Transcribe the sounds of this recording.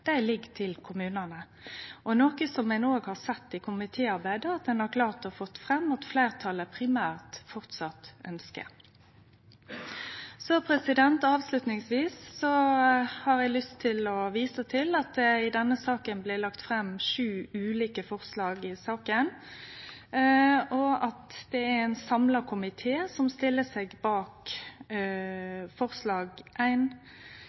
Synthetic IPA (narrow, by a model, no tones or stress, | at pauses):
d̪̥æɪlɪɡt̪ʰɪlkʰʊmʉːnənə | ʔɔnoːkəsɔmːɛnoːɡhɑɾsɛt̪ːɪkʰʊmɪt̪ʰeːɑɾbæɪd̪əɑt̪̚d̪ɛnhɑkʰlɑːʁt̪ɔfɔt̪ːfʁɛmːɔt̪fleːʁt̪ʰɑlːəpʰʁɪmæːʁt̪fɔʁt̪sɑt̪ʔœnskə̰ | sɔpʰʁɛsɪd̪ɛnt̪ɑːʋslʉt̪nɪŋsʋiːsːɔhɑɾæɡlʏst̪ʰːɪlɔʋiːsət̪ʰɪlɑt̪̚d̪ɛɪd̪ɛnːəsɑːkənblɪlɑkt̪fʁɛmːʃʉːʉːliːkəfɔʁslɑːɡɪsɑːkən | ɔɑt̪d̪̥ɛææɪnsɑmləkʰʊmɪt̪ʰeːsɔmst̪ɪlːəsɛɡbɑːk | fɔʁslɑːɡʔæɪn